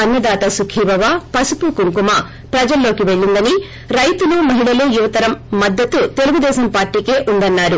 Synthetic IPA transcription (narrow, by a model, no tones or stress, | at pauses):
ɐnjɐd̪aːt̪ɐsukʰiːbɐʋaːpɐsupukuŋkumɐ | pɾɐd͡ʒɐlːo̞ːkiʋe̞ɭːind̪ɐni | ɾɐjt̪uluːmɐɦiɭɐlujuʋɐt̪ɐɾɐmːɐd̪ːɐt̪ut̪e̞luɡud̪ɛːʃɐmpaːɾʈiːke̞ːʔund̪ɐnːaːɾu